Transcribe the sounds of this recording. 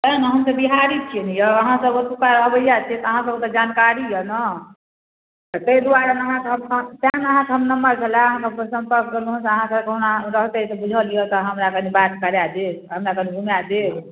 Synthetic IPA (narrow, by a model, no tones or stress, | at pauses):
t̪ənəɦəmsəbiɦaɾit͡ʃʰienijɔəɦãsəbot̪upaɾɦbəjat͡ʃʰiɛt̪ɔəɦãsəbkt̪ɔd͡ʒankaɾijənə | t̪ɔt̪əid̪uaɾanəɦãkeɦəmt̪anəɦãkeɦəmnəmːəɾt͡ʃʰəlaəɦãsəsə̃mpəɾkʰɡeluɦunseəɦãkekəɦnaɾəɦt̪eisəbud͡ʒʱəlijət̪ɔɦəmɾakənibat̪kəɾjad̪eɦəmɾakəniɡʱumjad̪e